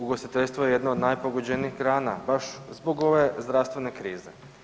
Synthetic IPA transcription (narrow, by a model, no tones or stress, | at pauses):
uɡosit̪eʎʲst̪ʋojeje̞d̪noːd̪najpo̞ɡo̞d͡ʑe̞niːxɡɾaːnabaʃzbo̞ɡo̞ʋe̞zd̪ɾast̪ʋe̞ne̞kɾiːze̞